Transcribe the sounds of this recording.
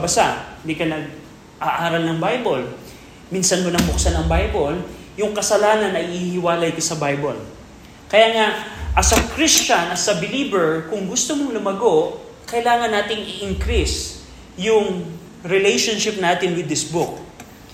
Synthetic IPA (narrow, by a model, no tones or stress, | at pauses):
bɐsand̪ikɐnɐɡ̚ | ʔaʔaːɾɐlnɐŋbajbol | miːnsɐnmonɐŋbʊksanɐŋbajbol | jʊŋkɐsɐlaːnɐnːɐʔɪihɪwaːlɐjkɐsɐbajbol | kɐjaːŋaʔɐsɐkɾist͡ʃɐnɐsɐbɪliːbɛɹkʊŋɡʊst̪omoŋlʊmɐɡo̞ʔ | kɐɪlaːŋɐnːaːt̪ɪŋɪʔɪŋkɾis | jʊŋ | ɾɪlɛjʃonʃɪp̚naːt̪ɪnwɪd̪ːɪsbʊk̚